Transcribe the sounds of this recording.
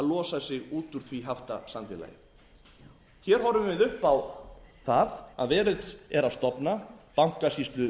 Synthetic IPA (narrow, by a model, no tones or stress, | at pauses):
alɔːsasɪɣuːt̪ʏɾ̥θviɦaft̪asanfɪla̰jɪ̰ | çɛːɾ̥ɦɔvɾʏvvɪðʏhpawθaðaðvɛːɾɪðɛɾaðst̪ɔpnapawŋ̥kasist̪lʏ